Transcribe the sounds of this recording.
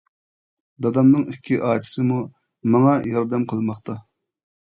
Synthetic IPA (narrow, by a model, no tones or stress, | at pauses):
d̪ɑd̪ɑmnɨŋikʲʰːiʔɑːt͡ʃʰi̥sɨmu | mɑŋɑjɑɾd̪ɛmqʰəlˠmɑχt̪ɑ